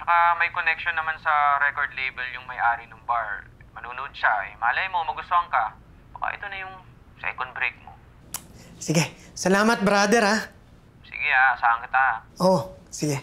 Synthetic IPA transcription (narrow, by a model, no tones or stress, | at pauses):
t͡ʃɐkamɐjkonɛk̚ʃonːɐmansɐɾɛkoɹd̪lejbɛljʊŋmɐjʔaːɾinoŋbaɹ | mɐnuːnoʔod̪̚ʃaɛ̰mɐʔɐlɐjmomɐɡʊst̪ohɐŋkɐ | bɐka̰ʔɛ̰t̪onɐjʊŋ | sɛ̰kond̪bɾejk̚mo̰ | sɪɡɛ | sɐlaːmɐt̪̚bɾaːd̪ɛɾha | sɪ̰ɡɛʔasaːɐŋkɪt̪aʔosɪɡɛ